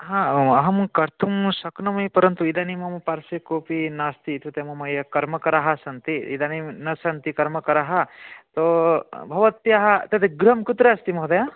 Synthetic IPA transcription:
ɦãɐɦɐmkɐɾt̪ʰumsɐknɐmɐjpɐɾɐnt̪uid̪animɐmɐpaɾsɐkoːpinaːst̪it̪ut̪emɐmɐjɐkɐɾmɐkɐɾaɦɐsɐnt̪iḭd̪aninɐsɐnt̪ikɐɾmɐkɐɾaɦɐt̪obʱɐʋɐt̪ːjɐɦɐt̪ɐt̪eɡɾɐmkut̪ɾɐɐst̪imɐɦɐd̪ɐja

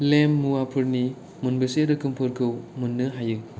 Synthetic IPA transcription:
lemːuwapʰɯɾni | munbɯseɾɯkɯmpʰɯɾkʰɯwmunːɯɦajɯ

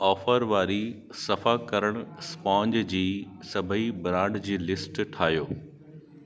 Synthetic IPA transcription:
ɔːfəɾʋaːɾi | sɐfakɐɾəɽ̃spɔ̃ːɲd͡ʑd͡ʑiːsɐbʱəibɾãːɳɖd͡ʑiːlɪsʈʈʰaːɦijoː

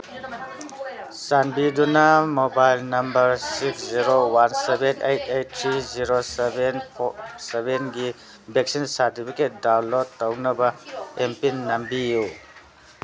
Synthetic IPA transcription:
sanbidunɐmobajlnɐmbɐɾsiksziɾowansebenʔejtʰejt̚ʰːɾiziɾosebenpʰsebenɡi | bek̚sinsaɾtipʰiket̚dawlotːɐwnɐbɐempinːɐmbiju

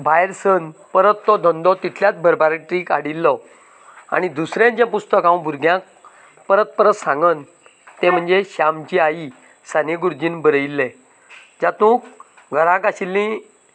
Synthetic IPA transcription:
bʱajɾsənpəɾət̪ːɔd̪ʱənd̪ɔt̪it̪ʰljat͡s̪bʱəɾbaɾiʈɾikaɽilːɔ | a̰ñid̪usɾẽt͡ɕẽpust̪əkãw̃bʱuɾɡʱjãk̚ | pəɾət̪̚pəɾət̪sãŋɡən | t̪ẽm̤əɳd͡zeɕamt͡ɕiai | saneɡuɾd͡ʑinbəɾəilːẽ | d͡ʑat̪ũːk | ɡʱəɾãkaɕilːĩ

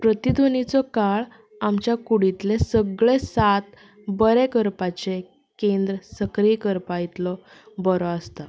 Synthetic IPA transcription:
pɾət̪id̪ʱonit͡sɔkaɭ | amt͡ɕjakuɽit̪lesəɡɭesat̪ | bəɾekəɾpat͡ɕe | kẽnd̪ɾəsəkɾijkəɾpajit̪lɔ | bəɾɔəst̪a

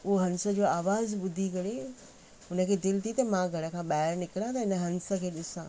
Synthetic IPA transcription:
ʊɦoɦɐ̃nsə̆d͡ʑoːaːʋaːzɓʊd̪ʱikɐɽe | ʊnəkʰeːd̪ɪlt̪ʰit̪ɐmãɡʱɐɽə̆kʰãːɓaːɪɾnɪkɪɽãt̪ɐɪnəɦɐ̃nsə̆kʰeːɗɪsãː

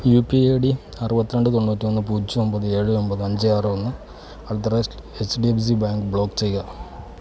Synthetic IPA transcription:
juːpieːɖi | ɐrɨbɐt̪ːiɾe̞ɳɖɨt̪o̞ɳːuːtːimonːɨpuːt͡ɕːuo̞mbɐðɨe̞ːɻɨombɐðɨɐɲd͡ʑɨaːrɨonːɨ | ɐɭɐt̪̬ːɐɾɐesɖiebs̬ibaːŋɡɨbɭo̞ːkt͡ɕejɣɐ

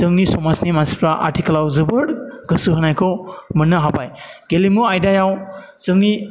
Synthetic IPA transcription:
z̥ɯŋnisɔmasnimansi̥pʰɾaʔa̰ɾtʰikəlawzɯbɯɽɡ̥ɯsɯɦɯnajkʰɔwmɯnːɯɦabajɡelimuajdajaw | z̥ɯŋni

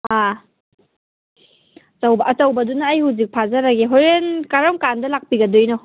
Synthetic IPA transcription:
a | t͡ʃawbɐɐt͡ʃɐwbɐdunaːjhuwzik̚pʰazɐɾaɡeɦoɾenkaɾamkandɐlak̚piɡɐdojnɔ

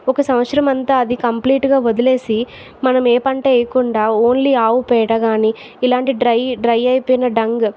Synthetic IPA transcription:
ɔkɐsɐmʋɐt̪sɾɐmɐnt̪aːɐd̪ikɐmpliːʈɡaːʋod̪ile̞ːsi | mɐnɐmeːpɐɳʈeːjɐkuɳɖaːo̞ːnliaːwupɛːjʈaɡaːniː | ilaːɳʈiɖɾɐjɖɾɐjɐjpoːjnɐɖɐŋɡ

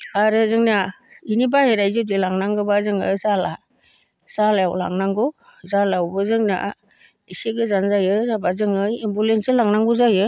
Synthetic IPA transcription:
aɾɯzɯŋnainibaheɾajzɯdilaŋnaŋɡɯbazɯŋɯsala | salaawla̰ŋnaŋɡu | zalawbɯzɯŋna̰ | iseɡɯzanzajɯzabazɯŋɯjembulensɯlaŋnaŋɡuzajɯ

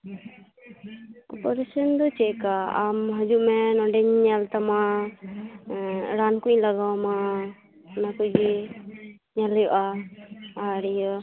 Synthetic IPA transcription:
ɔpɔɾesənd̪ɔt͡ʃɛkaamɦəd͡ʒuʔmɛnɔɖɛɲɲalt̪ama | ɾankuɲlaɡawma | nakuʔd͡ʒi | ɲaljɔʔaː | ɾɛjɔ

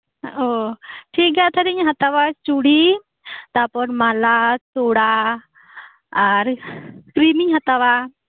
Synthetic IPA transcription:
oʈʰiːk̚ɡat̪ʰɐɾiɲɦɐt̪aʋat͡ʃuɽi | t̪apɔnmaːlat̪oːɽa | ɐɾkɾimiɦɐt̪aʋa

